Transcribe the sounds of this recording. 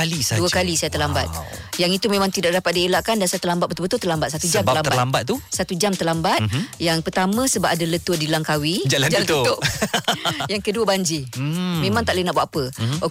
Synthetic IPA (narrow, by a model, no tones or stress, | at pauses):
alisaduəkalisajat̪əlamba̰t̪̚ | jaŋit̪umẽmaŋt̪idaʔ̚dapat̪̚dielaʔkandansajat̪əlambat̪̚bət̪bət̪ʊlt̪əlambat̪̚sat̪ud͡ʒamaəlamblambat̪̚t̪ːusat̪ud͡ʒamt̪əlambat̪̚jaŋpərt̪amə̃səbap̚adalət̪uədilaŋkawid͡ʒaland͡ʒaant̪ut̪ʊ | jaŋkəduəbaɲd͡ʒimemãŋt̪aʔlainaʔbwaʔapəok